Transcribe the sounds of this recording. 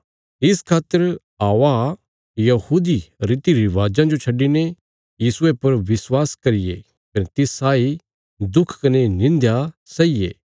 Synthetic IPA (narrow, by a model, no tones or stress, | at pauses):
ɪskʰaːt̪ːəɾ | aːʋa | jɐhuːd̪iɾɪt̪iɾiʋaːd͡ʒãd͡ʒot͡ʃʰɐɖine | jiːsʊepɐɾʋɪswaːskɐɾɪjḛ | kɐnet̪ɪsaːi | d̪ʊkʰkɐnenɪ̃nd̪jasɐijḛː